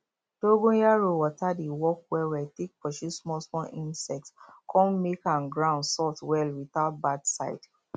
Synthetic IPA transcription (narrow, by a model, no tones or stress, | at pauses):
d̥oɡõjaɹowɔtadewɔk̚wɛwɛtek̚pɔʃusmɔlsmɔlĩnsɛk̚tskʰɔ̃mmekãnɡɹãʊ̃ndsɔtwɛlwitaʊt̚badsaɪd̥